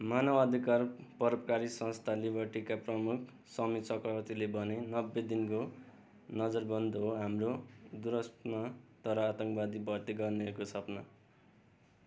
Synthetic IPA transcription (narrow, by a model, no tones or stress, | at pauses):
manʌbʌd̪ʱikarpʌɾʌbʌkaɾisʌ̃nst̪ʰalibʱʌʈikaprʌmukʰ | sʌmisʌkrʌwʌt̪ilebʌnenʌbːed̪inko | nʌd͡zʌrbʱʌnd̪oɦoɦamrod̪uɾʌstnʌt̪ʌɾʌat̪ʌŋkbad̪ibʌrt̪iɡʌrneʌkosʌpna